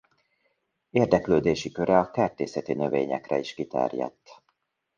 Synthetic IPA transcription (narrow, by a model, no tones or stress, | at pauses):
eːrd̪ɛkløːd̪eːʃikø̞ɾɛɒkɛrt̪eːsɛt̪inø̞veːɲɛ̰krɛiʃkit̪ɛ̰rjɛ̰t̪ː